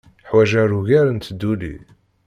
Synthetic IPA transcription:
ħwæʒæɾuʝæɾənt̪d̪ːulḭ

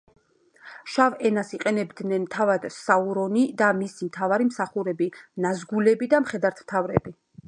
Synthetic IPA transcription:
ʃavɛnasiqʼɛnɛbd̪nɛnt̪ʰavad̪̥sauɾɔnid̪amisimt̪ʰavaɾimsaχuɾɛbinazɡulɛbid̪amχɛd̪aɾt̪ʰmt̪ʰavɾɛ̰bi

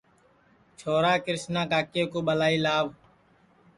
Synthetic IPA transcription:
t͡ʃʰoːɾaːkɪɾɪsnãːkaːkjõːkoːɓəlaːiːlaːʋ

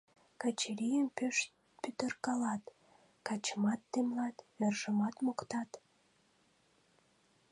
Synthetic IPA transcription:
kɑt͡ɕeɾijənpʃ | pyt̪ərkɑlɑt̪ | kɑt͡ɕəmɑt̪ːemlɑt̪merʒəmɑt̪mokt̪ɑt̪

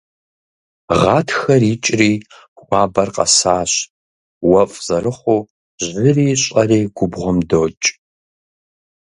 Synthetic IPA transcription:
ʁɑːtʰxɐriːt͡ʃʼriː | kʷʼɑːbɐrqɐ̰saːɕ | wɐfʼz̥ɐɾɨχʷoː | ʑɪriːɕʼɐriːɡ̥ʷʊbʁʷɔmdoːt͡ʃʼ

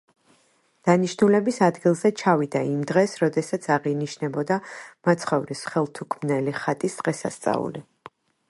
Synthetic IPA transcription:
d̪̥aniʃnulɛbisad̪ɡilˠzɛt͡ʃʰavid̪aimd̪ʁɛsɾɔd̪ɛsat̪sʰaʁiniʃnɛbɔd̪amat̪sʰχɔvɾisχɛlˠt̪ʰukʰmnɛliχat̪ʼisd̪̥ʁɛsa̰st̪sʼa̰ṵli

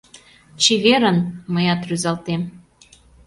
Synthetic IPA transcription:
t͡ɕiβeɾənməjɑt̪ryzɑlt̪em

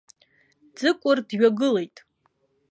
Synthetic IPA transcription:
d͡zɨkʷʼʊrdɥᶣaɡɨle̞jtʼ

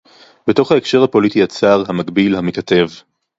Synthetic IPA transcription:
beto̞χhaekʃe̞ʁhapo̞litiat͡saʁɦamaɡbilhamikat̪e̞v

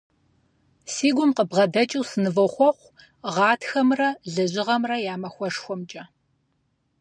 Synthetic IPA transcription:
siːɡʷʊmqəbʁɐdɐt͡ʃʼiwsɨnɨvɐwχʷɔχʷ | ʁɑːtʰxɐmrɐɮɐʑɪʁɐmrɐjaːmɐxʷɔʂxʷɔmt͡ʃʼɐ

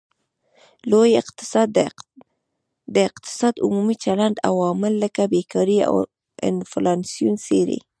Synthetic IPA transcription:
lojɪq̪d̪ | d̪əɪqt̪ɪ̥sɑd̪ʊmumit͡ʃalaɳɖa̰wɑmɪlːəkabekɑɾia̰w | ɪ̰nflɑnsijunseɾḛ

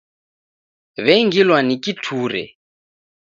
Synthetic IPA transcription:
βɛŋɡilwanikʼitʰuːɾɛ̰

